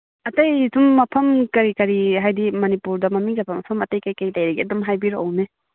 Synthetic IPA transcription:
ɐtɐjdumːɐpʰɐmkɐɾikɐɾiɦajdimɐnipuɾdɐmɐmiŋɡabɐmɐpʰɐmɐtɐjkajkajlajɾeɡeɐdumɦajbiɾoʔːwne

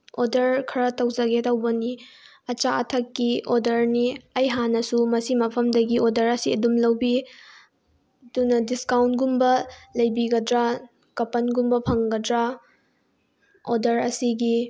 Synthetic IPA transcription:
odɐɾkʰɐɾɐtɐwzɐɡetɐwbɐni | ɐt͡ʃaɐtʰɐkːiʔodɐɾniɐjɦanːɐsumɐsimɐpʰɐmdɐɡiodɐɾɐsiɐdumlɐwbi | dunɐdiskawntɡumbɐlɐjbiɡɐdɾa | kɐpɐnɡumbɐpʰɐŋɡɐdɾa | odɐɾɐsiɡi

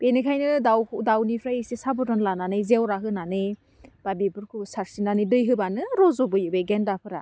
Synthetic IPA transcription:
benɯkʰajnɯdawdawnipʰɾajisisabɔdɔnlananɯjzewɾaɦɯnanɯ | b̥abibɯɾkʰɯsaɾsinanɯdɯjɦɯbanɯɾɔzɔbɯjɯbeɡendapʰɯɾa̰

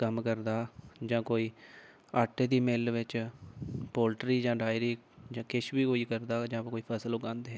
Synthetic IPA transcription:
kəmkəɾd̪aːd͡ʒãːkoːiː | aːʈeːd̪iːmɪlʋɪt͡ʃ | poːlʈɾiːd͡ʒãːɖaːjɾiː | d͡ʒãːkɪʃbiːkoːiːkəɾd̪aːd͡ʒãːkoːiːpʰəsəlʊkãːnd̪eːɦɛː

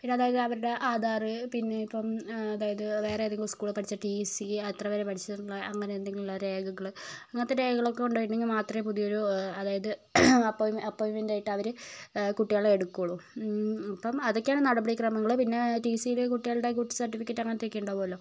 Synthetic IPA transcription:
iɽɐðaːjɐðɨɐʋɐɾuɽe̞ʔaːd̪ʱaːrɨpinːeipːɐmɐðaːjɐðɨʋe̞ːreeneŋɡiɭskuːɭpɐʈit͡ɕːɐʈisiɐt̪rɐʋɐɾepɐʈʰit͡ɕːɐðunuɭːɐʔɐŋːɐneːnd̪eŋɡiɭuɭːɐɾe̞ːɡɐɣɐɭɐŋːɐnɐt̪ːeɾe̞ːɡɐɣɐɭo̞kːe̞uɳɖojiɳɖeŋɡilmaːt̪rɐpuðijoɾuɐðaːjɐðɨɐpːoːjumɐpːoːjumind̪aːjiʈːɨɐʋɐɾɨkuʈːijaːɭeɽukːuɭu | ɐpːɐmɐðo̞kːeaːɳɨnɐɽɐbɐɽikrɐmɐŋːɐɭpinːe̞ʈiːsijilkuʈːijaːɭɨɽe̞k̬uʈːi̥sɐrʈːifikʲːeʈːɐŋːɐnet̪ikʲːiuɳɖɐpoːlo

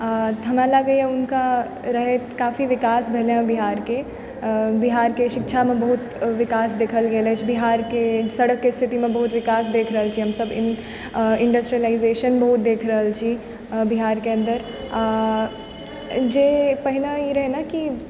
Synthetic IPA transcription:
t̪ʰɐmãlaɡəiaʊnka | ɾɐɦet̪kaːfiʋɪkaːsbʱɛɦleɦãbiɦaːɾke | bɪɦaːɾkeʃɪkʃʰamẽbɐɦʊt̪ʋɪkaːsd̪eːkʰəlɡeːlet͡ʃʰbɪɦaːɾkesɐɽəkːest̪ʰɪt̪imẽbɐɦʊt̪ʋɪkaːsd̪eːkʰɾɐɦəlt͡ʃʰiɦɐmsəbɪ̰̃n | ɪ̃ɳɖəsʈɾiəlaɪzeːʃənbɐɦʊt̪̚d̪eːkʰɾɐɦəlt͡ʃʰi | bɪɦaːɾkeɐ̃nd̪əɾ | d͡ʒeːpɐɦɪnaiɾɐɦenaki

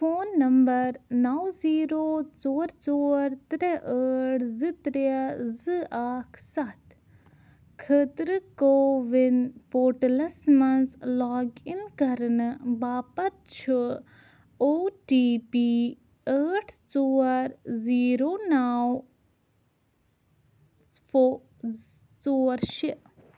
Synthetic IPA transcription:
foːnːɐmbɐɾnɐwziːɾoːt͡soːɾt͡soːɾt̪ɾeʔəːʈʰzɨt̪ɾezɨaːkʰsɐt̪ | kʰət̪ɾɨkoːʋinpoːɾʈlɐsmɐnzlɔːɡinkɐɾnɨbaːpɐt̪̚t͡ʃʰə | oːʈiːpi | əːʈʰt͡suːɐɾziːɾoːnaːw | foː | t͡soːɐɾʃi

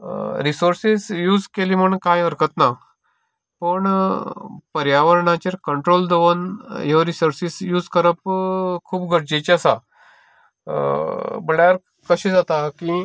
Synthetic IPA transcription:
ɾisoɾsisjuːd͡zkelim̤əɳkajəɾkət̪na | pəɳ | pəɾjaʋəɾɳat͡ɕeɾkəɳʈɾold̪əʋənjoɾisoɾsisjuːd͡zkəɾəpkʰuːpɡʱəɽd͡ʑet͡ɕiəsa | bəɭjaɾ | kəɕid͡zat̪aki

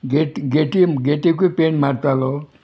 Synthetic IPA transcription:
ɡeɡeʈiɡeʈik̬openmaɾt̪alo

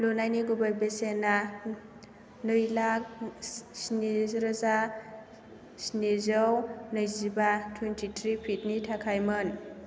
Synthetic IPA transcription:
lunajniɡubajbesena | nɯjlak̚snezɾaza | sinezɔwnɯjzibatʰwentʰitʰɾipʰit̚nitʰakʰajmɯn

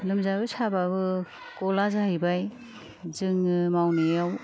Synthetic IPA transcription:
lɯmzabɯsababɯ | kɔlazaɦɯjbaj | zɯŋɯmawnejaw

